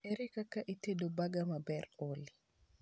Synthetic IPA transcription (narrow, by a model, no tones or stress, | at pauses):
ɛɾɪkakaʔitedobaɡamabɛroli